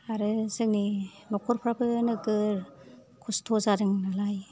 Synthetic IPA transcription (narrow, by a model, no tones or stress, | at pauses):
aɾɯsɯk̚ninɔkʰɔɾpʰɾabɯnɯɡɯɾ | kʰustʰozadɯŋnalaj